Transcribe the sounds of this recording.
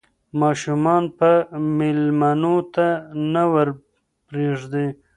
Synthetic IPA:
mɑʃumɑnpəmɪlmanot̪anawəɾ | pɾeʐd̪e

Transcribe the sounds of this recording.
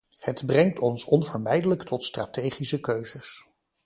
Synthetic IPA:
hədbrɛŋtʰɔnsɔnvəɹmɛjdələktʰɔtstratejχisəkøɥzəs

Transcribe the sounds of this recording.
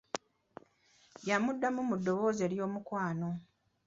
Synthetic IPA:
jamudːamumudːo̞βo̞ːze̞ːɾjo̞ːmukwaːno̞

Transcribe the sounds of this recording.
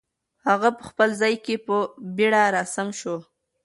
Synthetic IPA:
haɣapəxpəlzɑjkepəbiɽaɾɑsamʃo

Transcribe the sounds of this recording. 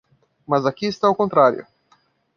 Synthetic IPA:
mɐzakiːst̪aowkõnt̪ɾaɾjʊ̰

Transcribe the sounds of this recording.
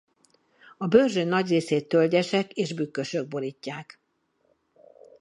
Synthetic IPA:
ɒbørʒøːnːɒɟreːseːt̪ːølɟɛʃɛkeːʒbykːøʃø̞ɡ̚bo̞ɾicːaːk

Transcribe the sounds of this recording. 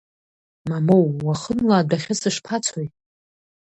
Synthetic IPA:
mamowwaχənlaːdʷaχʲɪsɨʂpʰat͡sʷʰoj

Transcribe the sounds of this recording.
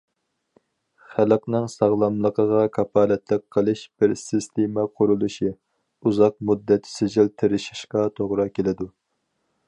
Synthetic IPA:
χæləqnɨŋsɑʁlˠɑmlˠəqʰəʁɑkʰɑpʰɑːlɛt̪lɪk̚ʲqʰːəlˠɨʃb̥ɪɾsɪst̪ʰemɛqʰʊɾulˠuʃi | uzɑq̚mud̪ːɛt̪ʰsɪd͡ʒɪlt̪ʰɪɾɪʃi̥ʃqɑt̪ʰoʁɾɑkʲʰelɪd̪u

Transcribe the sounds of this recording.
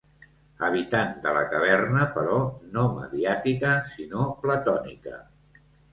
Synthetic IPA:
əβ̞it̪and̪ələkəβ̞ɛrnəpəɾɔnomə̰ðiat̪ikəsinoplət̪ɔnḭkə̰

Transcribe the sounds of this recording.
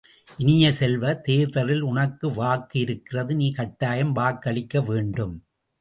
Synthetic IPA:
ʔɪnɪjɐsɛlʋɐt̪eːðɐɾɪlʊɳɐkːɯʋaːkːɯɪɾɯkːɪrɐðɯniːkɐʈːaːjɐmʋaːkːɐɭɪkːɐʋeːɳɖɯm

